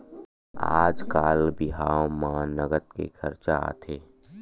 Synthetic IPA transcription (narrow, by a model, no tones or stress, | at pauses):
a̰ːd͡ʒkaːlbɪɦaːwmãːnəɡət̪̚kḛkʰɐɾt͡ʃaa̰t̪ʰeː